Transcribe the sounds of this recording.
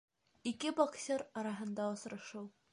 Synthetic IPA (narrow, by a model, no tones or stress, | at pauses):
ikɘboksʲeɾɒɾɑɦɤ̆nd̪ɑŏsɾɤ̆ʃɤw